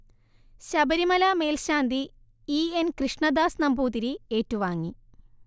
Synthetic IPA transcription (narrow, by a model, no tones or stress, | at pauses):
ɕɐbɐɾimɐlaːme̞ːlɕaːnd̪i | iːenkrɨʂɳɐd̪aːsnɐmbʱuːt̪iɾie̞ːtːuʋaːŋːi